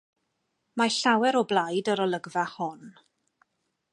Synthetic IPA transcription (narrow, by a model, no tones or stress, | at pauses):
maɬawɛɾɔblˠajdəɾɔlˠəɡvahɔn